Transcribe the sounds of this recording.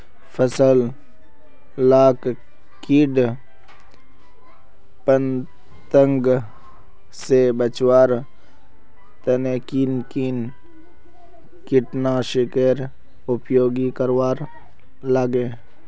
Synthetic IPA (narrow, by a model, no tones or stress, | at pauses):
pʰəsəl | laːk | kiɖ | pən | t̪əŋɡ | sebət͡ʃwaːɾ | t̪ənekiːnkiːn | kɪʈnaʃɪkeɾ | ʊpjoːɡikəɾwaːɾ | laɡe